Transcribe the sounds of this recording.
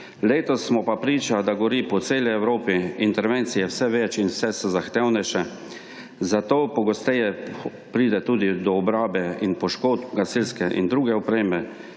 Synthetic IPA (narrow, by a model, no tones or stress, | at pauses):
leːt̪ɔsːmɔpapɾiːt͡ʃad̪aɡɔɾipɔt̪seːliɛwɾoːpiint̪ɛɾʋent̪sijɛwsɛʋɛt͡ʃinwsɛsɛzaxt̪ɛwnɛʃɛ | zat̪oːpɔɡɔst̪ɛjɛ | pɾiːd̪ɛt̪uːd̪id̪ɔɔbɾaːbɛinpɔʃkoːt̪ɡasilskɛʔḭnd̪ɾuːɡɛɔpɾeːmɛ